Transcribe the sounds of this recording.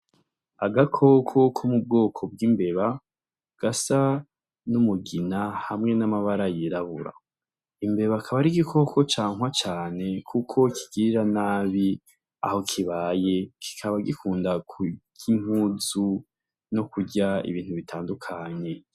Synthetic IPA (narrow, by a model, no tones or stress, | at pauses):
aɡakʰo̞kʰo̞kʰomub̚ɡoːkʰo̞b̚ɡimbeβa | ɡ̥asa | numuɡinahamŋe̞namaβaɾajiɾaβuɾa̰ | imbe̞βakʰaβaɾiɡikʰo̞kʰo̞t͡ʃaːŋwat͡ʃaːne̞kʰukʰo̞kʰi̥ɡ̥iɾanaːβi | a̰ho̞kʰiβaːje̞kʰi̥kʰaβaɡikʰuːndakʰuɟ̥im̥huːzu | no̞kuɟaḭβiːn̥huβitʰaːndukʰaɲe̞